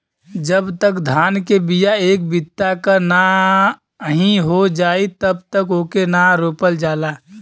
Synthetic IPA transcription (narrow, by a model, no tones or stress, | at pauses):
d͡ʒəbt̪əkd̪ʱaːnkebijaeːk̚bɪt̪ːakana | ɦĩɦod͡ʒaːit̪əbt̪əkoːkenaɾoːpəld͡ʒaːlaː